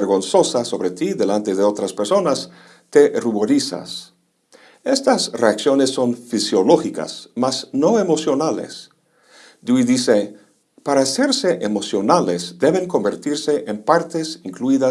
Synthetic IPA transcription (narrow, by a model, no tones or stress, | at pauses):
eɾɣo̞nso̞saso̞βɾet̪iðe̞lant̪e̞ðeo̞t̪ɾaspeɾso̞nas | t̪e̞ruβo̞ɾisa̰s | est̪asreaksjo̞nesːo̞nfisjo̞lo̞xika̰smasno̞emo̞sjo̞nalḛs | d̪uiðise | paɾaːse̞ɾseʔemo̞sjo̞nalesd̪e̞βe̞ŋko̞mbe̞ɾt̪iɾse̞ʔempaɾt̪e̞siŋkluiða